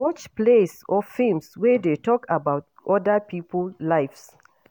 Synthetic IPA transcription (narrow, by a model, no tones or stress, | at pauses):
ɔt͡ʃplesɔfĩlmswɛdetɔkabaʊt | ʔɔdəpipʰəllaɪfs